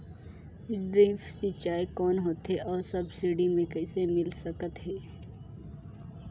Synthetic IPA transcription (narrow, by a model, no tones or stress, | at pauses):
ɖɾɪ̃fsit͡ʃaːikɔːnɦoːt̪ɦɛʔɔːɾsɐbsɪɖimẽkɛːsemɪlsɐkət̪ɦɛː